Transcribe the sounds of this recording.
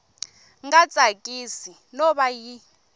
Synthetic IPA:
ŋɡat͡sʼakʼisinɔɓaji

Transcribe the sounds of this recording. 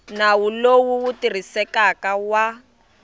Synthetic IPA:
nawulowuwutir̤isɛkakawa

